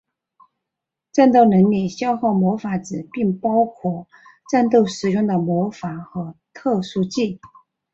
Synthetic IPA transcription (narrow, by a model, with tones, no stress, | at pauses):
ʈ͡ʂa˥˧nt̪o˥˩ʊnɤ˧˥ŋli˨˩ɕjɑ˥ʊxɑ˥˩ʊmwɔ˧˥fa˧˥ʈ͡ʂɻ̩˨˩pi˥˩ŋpɑ˥ʊkʰwɔ˥˩ | ʈ͡ʂa˥˧nt̪o˥˩ʊʂɻ̩˨˩jʊ˥˩ŋd̪ə˩mwɔ˧˥fa˨˩˦xɤ˧˥t̪ʰɤ˥˩ʂu˥t͡ɕi˥˩